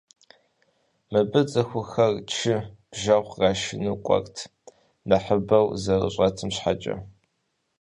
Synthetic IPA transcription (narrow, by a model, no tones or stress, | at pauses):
mɐbɨt͡sʼɐxʷʊxɐrt͡ʃʰɪb̥ʒɐwʷraːʃɪnɨqʷʼɔ̰rtʰ | nɐħəbɐwzɐrə̰ɕʼɐtʰɨmɕħat͡ʃʼɐ̰